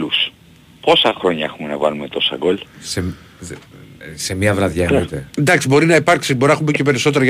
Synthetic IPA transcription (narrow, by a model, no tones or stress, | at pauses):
lus | po̞sɐxɾo̞ɲɐexumenɐvɐ̰lume̞t̪o̞sɐ̰ɡolse | se̞mɐvɾɐðʝɐit̪end̪ɐksibo̞ɾinɐipɐɾksiboɾinɐxumbicepe̞ɾiso̞t̪̬eɾɐ